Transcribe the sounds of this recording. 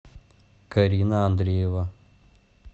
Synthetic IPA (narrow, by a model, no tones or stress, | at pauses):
kɐɾʲiːnɐːnd̪ɾʲejeʋa